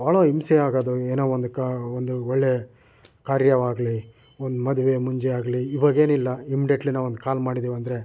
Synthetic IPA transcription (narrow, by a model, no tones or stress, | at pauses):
aːɭoimseaːɡad̪ueːnoːond̪ukond̪uoɭːe | kaːɾjɐʋaːɡli | ond̪umɐd̪uʋe̞muɲd͡ʒeaːɡliiʋɐɡe̞ːnilːɐimiɖjɐʈlinaːʋond̪ukaːlmaːɽid̪iːʋɐnd̪ɾe̞